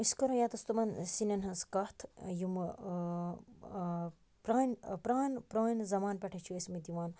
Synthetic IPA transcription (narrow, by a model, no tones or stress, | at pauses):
iskɐɾojaːt̪ɐst̪umɐnsinʲɐnɦɐnskɐht̪ʰjum | pɾaːnʲpɾaːnpɾaːnzɐmaːnpʲɛʈʰɐt͡ʃʰuesmit̪iʋaːn